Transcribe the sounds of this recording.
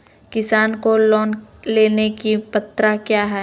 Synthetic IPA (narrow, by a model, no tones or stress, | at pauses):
kɪsaːnkolɔːnleːnekipɐt̪ːɾakjaːɦɛː